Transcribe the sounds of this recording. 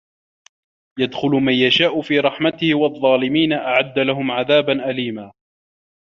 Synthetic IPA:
jad̪xʊlʊmanjaʃaːʔʊfiːɾˤɑħmat̪ɪhɪwɑðˤːɑːlɪmiːnaʔaʕad̪ːalaɦʊmʕaðaːbanʔaliːmaː

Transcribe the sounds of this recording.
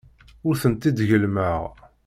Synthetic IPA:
ʊɾθənt̪id̪ʝəlməʁ

